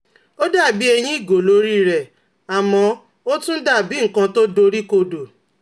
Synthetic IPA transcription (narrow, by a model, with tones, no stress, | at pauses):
o˦da˦˨bi˨˦ɛ˧j̃ĩ˦i˦˨ɡo˨lo˧˦ɾi˦ɾɛ˨ | a˨mɔ̃˧ | o˦tũ˦da˦˨bi˨˦ŋ̩˨kã˧to˦do˧ɾi˦ko˧do˨